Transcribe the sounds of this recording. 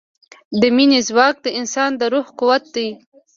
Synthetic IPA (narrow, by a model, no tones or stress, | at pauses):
d̪əminezwɑk̚d̪əɪnsɑnd̪əɾuhkuwat̪̚d̪aj